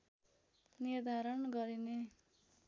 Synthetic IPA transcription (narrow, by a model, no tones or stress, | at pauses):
nird̪ʱaɾʌnɡʌɾine